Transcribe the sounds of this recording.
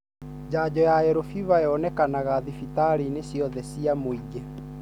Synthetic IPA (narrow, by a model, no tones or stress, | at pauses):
d͡ʑaːd͡ʑɔjaɛɾofiβajɔnɛkanaɣaðifit̪aɾinesjɔðɛsiamoiɣɛ